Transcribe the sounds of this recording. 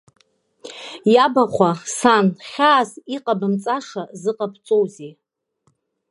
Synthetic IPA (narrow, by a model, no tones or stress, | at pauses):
jabaχʷasanχʲaːziqʼabɨmt͡sʼaʂazɨqʼapʰt͡sʼowzi